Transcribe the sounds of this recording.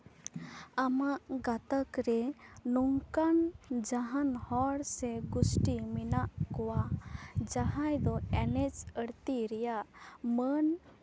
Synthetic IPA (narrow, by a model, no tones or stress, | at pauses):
amaʔɡat̪əkɾɛnɔŋkand͡ʒaɦanhɔɽsɛɡusʈiminaʔkɔwad͡ʒaɦajd̪ɔɛnɛt͡ʃəɽt̪iɾɛjaʔmən